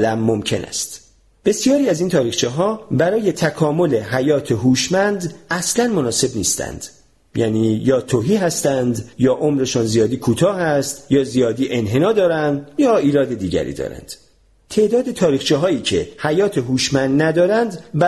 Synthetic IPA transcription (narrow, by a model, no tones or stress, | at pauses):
læmːomcʰe̞næ̰st̪ | b̥e̞sijɒːɾiːæziːnt̪ʰɒːɾiːxt͡ʃʰiɦɒːbæɾɒːje̞t̪ʰækʰɒːmo̞le̞ɦæjɒːt̪ʰeɦuːʃmænd̪æslænmonɒːse̞bnḭːst̪ʰæ̰nd̪̥ | jæːniːjɒːt̪ʰoɦiːɦæst̪ænd̪jɒːʔo̞mɾe̞ʃɔːnzijɒːd̪iːkʰuːt̪ʰɒːhæst̪jɒːzijɒːd̪iːʔe̞nɦe̞nɒːd̪ɒːɾænd̪jɒːiːɾɒːd̪e̞d̪iːɟæ̰ɾḭːd̪ɒ̰ːɾæ̰nd̪̥ | t̪ʰe̞ʔd̪ɒːd̪e̞t̪ʰɒːɾiːχt͡ʃʰiːɦɒːiːcʰe̞hæjɒːt̪ʰeɦuːʃmænd̪næd̪ɒːɾænd̪b